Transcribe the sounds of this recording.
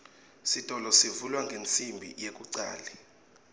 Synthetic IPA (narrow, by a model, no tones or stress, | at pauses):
sid̥ʱʼɔlɔsivulwaŋɡʱent͡sʼʰimbʱḭjek̬ʼuǀa̰ːlɛ